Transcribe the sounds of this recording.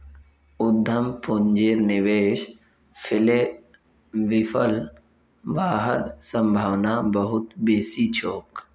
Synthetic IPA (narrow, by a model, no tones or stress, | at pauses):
ʊd̪ʱːəmpʊnd͡ʒeːɾnɪʋeːʃ | pʰɪle | ʋɪfʰəl | baːɦəɾsə̃mbʱaːʋnabəɦʊt̪beːsit͡ʃʰoːk